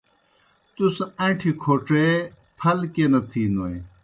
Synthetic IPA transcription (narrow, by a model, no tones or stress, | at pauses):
t̪usẽʈʰikʰoːʈ͡ʂe | pʰɐlkenɐt̪ʰiːnoj